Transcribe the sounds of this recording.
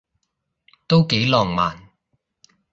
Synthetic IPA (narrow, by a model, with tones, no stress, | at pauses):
t̪o˥wke˨˥jlɔː˨˩ŋma̰ː˨˩n